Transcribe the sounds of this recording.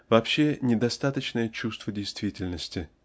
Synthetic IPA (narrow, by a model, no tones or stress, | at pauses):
vɐpɕːenʲɪd̪ɐst̪at̪ət͡ɕnəjət͡ɕust̪vədʲɪjst̪vʲitʲɪlʲnəsʲtʲɪ